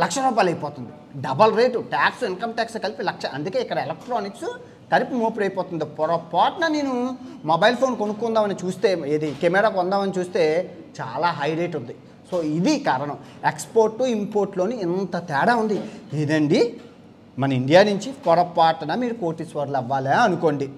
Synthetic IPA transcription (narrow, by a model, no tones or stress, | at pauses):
lɐkʂɐɾɔːbaːlɐjipɔːt̪und̪i | ɖɐbɐlɾeːʈuʈaːksuinkɐmʈaːkskɐlipilɐkʂɐɐ̰nd̪uke̞ːikːɐɽɐelɐk̚ʈɾoːniksu | kɐɾipimoːpiɽɐjpɔːt̪und̪ipɔɾɐpːaːʈnɐne̞ːnumobɐjlpʰo̞ːnkonukuund̪aːmɐnit͡ʃuːst̪e̞ːeːd̪ikemɛːɽaːkɔnd̪aːmɐnit͡ʃuːst̪e̞ː | t͡ʃa̰ːlaːɦɐjɾeːʈund̪i | so̞ːid̪ikaːɾɐnɐm | ekspoːɾʈːuimpo̞ːɾʈloːniːnt̪ɐt̪ɛːɽaːund̪ied̪ɐɳɖi | mɐnɐiɳɖijaːnuɲt͡ʃipɔɾɐpːaːʈɐnɐmiːɾukoːʈisʋɐɾlɐʋːaːlaːɐnuko̞ːɳɖi